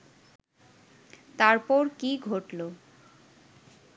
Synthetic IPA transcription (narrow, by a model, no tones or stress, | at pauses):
t̪aɾpɔɾkiɡʱoʈlo